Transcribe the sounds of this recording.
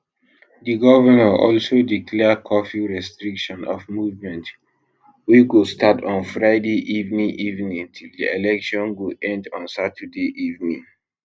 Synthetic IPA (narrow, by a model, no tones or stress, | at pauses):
diɡɔvənəʔɔlsodikʰlɛkʰɔfiɹɛstɹikʃɔ̃nɔ̰fmuvmɛ̃nt | wiɡostatʰɔ̃nfɹaɪdeʔivnĩŋʔivnĩtʰildielɛkʃɔ̃nwilɛ̃ndɔ̃nsatʰədeʔivnĩŋ